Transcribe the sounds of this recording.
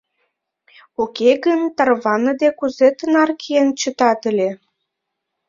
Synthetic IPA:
ukeɣənt̪ɑrβɑnəd̪ekuzet̪ənɑrkʰient͡ɕət̪ɑt̪əlʲe

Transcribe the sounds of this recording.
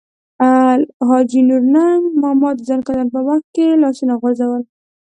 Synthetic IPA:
alɦɑd͡ʒinuɾnamɑmɑt̪zankad̪anp̬əwaxt̪̚kelɑsunaɣazawəl

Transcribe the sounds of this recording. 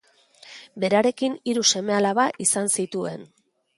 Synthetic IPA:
be̞ɾaɾe̞kiniɾuse̞me̞alaβaʔisansit̪ue̞n

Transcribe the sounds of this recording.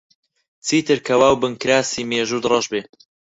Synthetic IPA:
t͡sʰiːt̪ɨɾkʰɐwaːwbɨŋkɾaːsiːmeːʒuːd̪rˤɐʒbeː

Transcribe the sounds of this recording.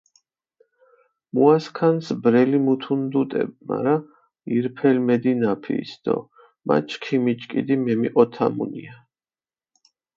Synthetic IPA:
muaskʰansbɾɛlimut̪ʰund̪ut̪ʼɛ̰b̚ma̰ɾa | iɾpʰɛlmɛd̪inapʰḭːsd̪̥ɔ̰ | ma̰t͡ʃʰkʰimit͡ʃʼkʼḭd̪imɛmiʔɔt̪ʰamṵnia

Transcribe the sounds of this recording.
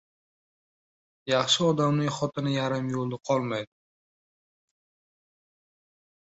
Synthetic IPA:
jɑχʃɪɒd̪amnɪŋχɒt̪ʰɪnɪjaɾɪmjolˠd̪aqʰɒlˠmajd̪ɪ

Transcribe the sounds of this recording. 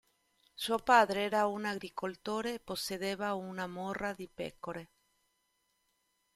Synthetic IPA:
suopaðɾeeɾaunaɣɾikolt̪oɾeːposeðeβaunamoraðipḛkoɾe

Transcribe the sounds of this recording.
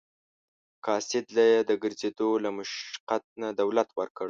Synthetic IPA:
kɑsɪd̪lajed̪əɡəɾzed̪olamʊʃqat̪̚nad̪awlat̪wəɾkəɽ

